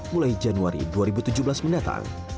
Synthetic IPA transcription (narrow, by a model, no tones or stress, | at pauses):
mulajd͡ʒanuaɾḭduaɾibut̪ud͡ʒubəlasməndat̪a̰ŋ